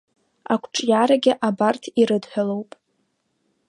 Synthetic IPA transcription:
a̰kʷʰʈ͡ʂʼjaɾaɡʲɪʔabartʰiɾɨdħʷᶣalowpʼ

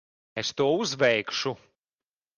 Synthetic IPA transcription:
est̪uɔuzvɛjkʃu

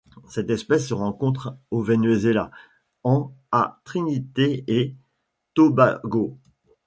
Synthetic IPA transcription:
sɛt̪ɛspɛsːəʁɑ̃kɔ̃t̪χovɛnɥezela̰ | ɑ̃at̪χinit̪ee | t̪oba̰ɡo

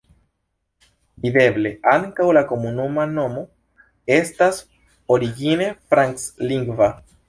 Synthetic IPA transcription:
vid̪e̞ble̞ʔaŋkawlako̞munumano̞mo̞ | e̞stas | o̞ɾiɡine̞fɾaŋksliŋɡva

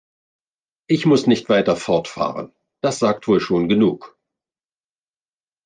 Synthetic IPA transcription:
ʔɪçmʊsnɪçtv̥aɪtɐfɔɐtfa̰ːʁə̰n | d̥asz̥aːk̚tv̥oːlʃoːnɡənuːk

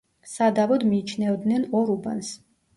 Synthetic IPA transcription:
sad̪avɔd̪miːt͡ʃʰnɛvɔd̪nɛnɔɾuba̰ns

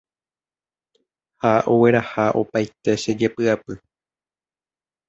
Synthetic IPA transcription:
haʔowe̞ɾahaʔo̞̰pajt̪e̞ʃed͡ʒe̞pɨapɨ

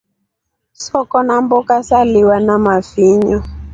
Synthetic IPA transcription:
sɔkɔnambɔkasaliwanamafiɲɔ

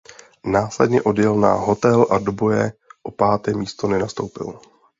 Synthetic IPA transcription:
naːslɛ̰dɲɛʔo̞djɛlna̰ɦo̞t̪ɛlʔadobo̞jɛʔo̞paːt̪ɛːmiːst̪o̞nɛnast̪o̞wpɪ̰l

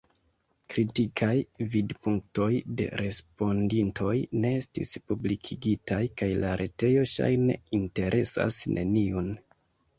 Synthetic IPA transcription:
kɾitikʰajvidpuŋk̚to̞jde̞̰ɾe̞spo̞ndintʰo̞jne̞estḭspublikʰiɡitajkajlaɾʔe̞te̞jo̞ʃa̰jne̞̰inte̞ɾʔe̞sa̰snʔe̞̰niun

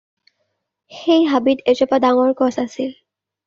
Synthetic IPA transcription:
xejɦabitezɔpadaŋɔɹkɔsasil

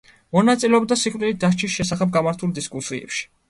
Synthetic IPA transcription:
mɔnat̪sʼilɛɔbd̪asiχʼvʼilit̪̚d̪aʃt͡ʃʰisʃɛsaχɛb̚ɡamaɾt̪ʰulˠd̪iskʼusiɛ̰pʃi̥

